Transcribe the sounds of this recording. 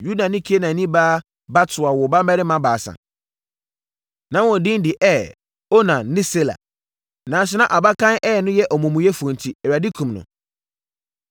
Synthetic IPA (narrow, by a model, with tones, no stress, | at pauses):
ju˦da˨nɪ̃˦kʰi˦e˦nã˨nĩ˦baː˦ | ba˦tʰʊ˨a˨wɔ˨ba˦m˦bɛ˦ɾɪ˦mã˦baː˨sã̰˨ | nã˨˦wɔ̃˨dɪ̃˦n˦dɪ˨ʔɛ˦ | o˦nã˨nɪ̃˦se˦la̰˨ | nã˨sɪ˨˦nã˦˨ʔa˨ba˦kʰã˦nʔɛ˦ɛ˨nʊ̃˦jɛ˦ʔɔ˨mũ˨mũ˨jɛ˦fu˨ɔ̃˨n˨tʰi˨ɛ˨a˨di˦kʰũ˨mnʊ̰̃˨